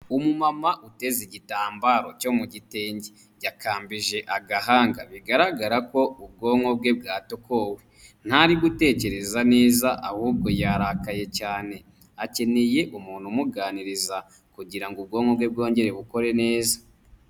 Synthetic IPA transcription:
umumamaʔute̞ziɟitaːmbaɾo̞co̞muɟite̞ːɲɟe | ɟakaːmbiʒe̞ʔaɡaɦaːŋɡa̰βiɡaɾaɡaɾako̞ub̚ɡo̞ːŋo̞b̚ɡe̞bɡaːtoko̞we | n̥haɾiɡute̞ːce̞ɾe̞zane̞ːzaʔahuːb̚ɡo̞jaːɾakaje̞caːne̞ | ace̞ne̞je̞ʔumuːn̥humuɡaːniɾiza | kuɟiɾaŋɡub̚ɡoŋo̞bɡwe̞b̚ɡo̞ːɲɟe̞ɾe̞βuko̞ɾe̞ne̞ːzḁ

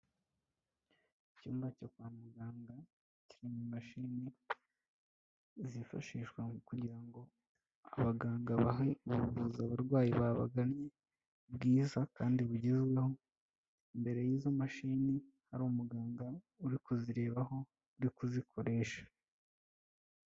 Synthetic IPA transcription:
icuːmbacokwaːmuɡaːŋɡa | ciɾimimaʃini | zifa̰ʃiːʃwaukuɾɟiɾaŋɡo̞ | a̰βaɡaːŋɡaβaɦeβuuβuzaβaɾɡwaːjiβaβa̰ɡamɲe̞ | bɡiːzakaːndiβuɟezɡwe̞ho̞ | imbe̞ɾe̞jiːzomaʃini | haɾumuɡaːŋɡa | uɾikuziɾe̞ːβaɦo̞ | uɾikuzikʰo̞ɾe̞ːʃḁ

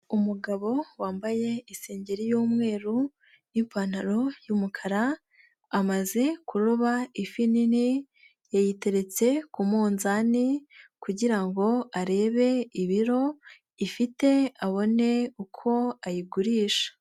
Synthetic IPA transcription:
umuɡaβo̞waːmbaje̞ise̞ːɲɟe̞ɾijuːmŋe̞ːɾu | jimpaːn̥haɾo̞jumukʰaɾaː | maze̞kuɾoβaifinini | jajite̞ɾe̞t͡se̞kumuːnzanikuɟiɾaŋɡo̞aɾe̞ːβe̞iβiɾo̞ | ifite̞aβo̞ne̞ukʰo̞ajiɡuɾiːʃḁ

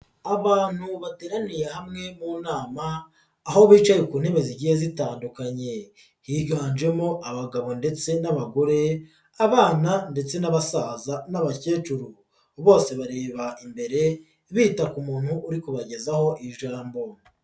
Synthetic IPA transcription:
aβaːn̥huβateːɾanije̞hamŋe̞muːnaːmaː | ho̞βiːt͡ʃajekuːnhe̞βe̞ziɟihezitaːndukaɲe̞ | hiɡɡaːnʒe̞moʔaβaɡaβo̞nde̞t͡se̞naβaɡo̞ɾe̞ | aβaːnande̞t͡se̞naβasaːzanaβace̞ːt͡ʃuɾu | βo̞ːse̞βaɾe̞ːβaimbe̞ɾe̞ | βiːtakumuːn̥huʔːɾikuβaɟe̞zaho̞ʔiʒaːmbo

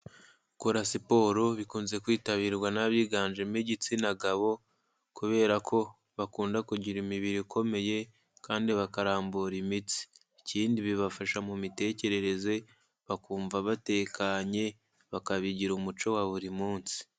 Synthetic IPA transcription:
koɾasipo̞ɾo̞βikuːnze̞kwiːtaβiːɾɡwanaβiːɡaːnd͡ʒemiɟit͡sinaɡaβo̞ | kuβe̞ːɾakʰo̞ | βakuːndakuɟiɾimiβiɾikʰo̞me̞je̞ | kaːndiβakaɾaːmbuɾimit͡si̥ː | ciːndiβiβafaʃamumite̞ːce̞ɾe̞ɾe̞ze̞ | βakuːɱvaβate̞kʰaɲe̞ | βakaβiɟiɾumut͡ʃo̞waβuɾimuːnsi̥

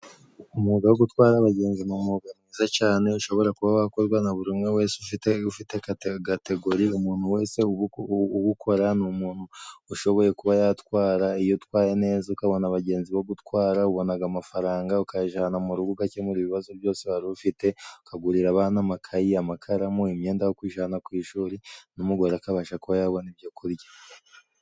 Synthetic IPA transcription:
umuːɡawoɡutwaːɾaβaɟe̞ːnzimumuɡanizat͡ʃaːne̞uʃo̞βo̞ɾakuβaβako̞ɾɡwanaβuɾimŋe̞we̞ːseufiteufitekɡate̞ɡo̞ɾiumuːn̥huwe̞ːse̞uuβukʰo̞ɾanumuːnhuːʃo̞βo̞je̞kuβajatwaːɾaijotkwaːjene̞ːzaukaβo̞naβaɟe̞ːnziβoɡutkwaːɾauβo̞naɡamafaɾaːŋɡaukaʒaːnamuɾuɡuɡacemuɾiβiβazobjo̞ːseβaɾiufite̞ukaɡuɾiɾaβanamakʰajiamakʰaɾamuimɲe̞ːndajokwiːʒanakwiːʃuːɾinumuɡwaɾakaβaʃakuβajaːβo̞nibjakʰuɾɟḁ

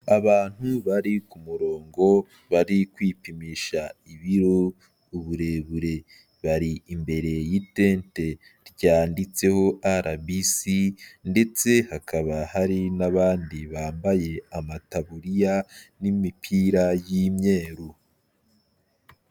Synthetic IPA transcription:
aβaːn̥huβaɾikumuɾo̞ːŋɡo̞ | βaɾikwiːpimiʃaiβiɾo | uβuɾe̞βuɾe̞ | βaɾiimbe̞ɾe̞jiteːnte | ɾɟaːndit͡se̞ho̞ʔaɾʔabisinde̞t͡se̞hakʰaβahaɾinaβaːndiβaːmbaje̞amataβuɾijanimipʰiɾajimɲe̞ːɾu

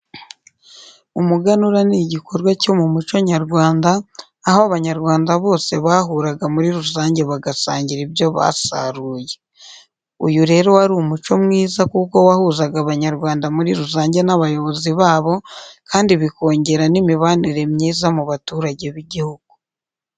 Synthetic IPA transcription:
umuɡanuɾaniɟiko̞ɾɡwaco̞mumut͡ʃoɲaɾɡwaːndaː | hoaβaɲaɾɡwaːndaβo̞ːse̞βaɦuɾaɡamuɾiɾuzaːɲɟe̞βaɡasaːɲɟiɾiβjo̞βa̰sa̰ɾuːje̞ | ujuɾe̞ːɾo̞waɾumut͡ʃo̞mŋiːzakuko̞wahuzaɡaβaɲaɾɡwaːndamuɾiɾuzaːɲɟe̞naβajo̞βo̞ziβaːβo̞kaːndiβiko̞ːɲɟe̞ɾanimiβaniɾe̞mɲiːzamuβatuːɾaɟe̞βiɟihuɡ̥̚u̥

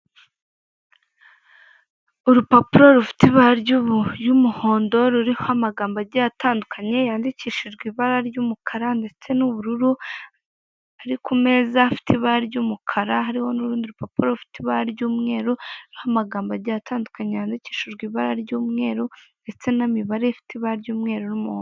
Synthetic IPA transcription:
uɾupapuɾo̞ɾufi̥tiβaɾɟuβujumuho̞ːndo̞ɾuɾihohamaɡaːmbaɾɟatʰaːndukʰaɲe̞jaːndiciːʃiʒɡwiːβaɾaɾɟuːmukʰaɾande̞t͡se̞nuβuɾuɾu | aɾikume̞zaafi̥tʰiβaaɾɟumukʰaɾaɦaɾiho̞nuɾuːndiuɾupapuɾoɾufi̥tiβaaɾɟuːmŋe̞ːɾuuɾihamaɡaːmbaɾɟataːndukaɲejaːndici̥ːʃiʒɡwiːβaɾaɾɟuːmŋe̞ːɾunde̞t͡se̞namiβaɾejafi̥tiβaɾɟuːmŋe̞ːɾoɾumuhoː

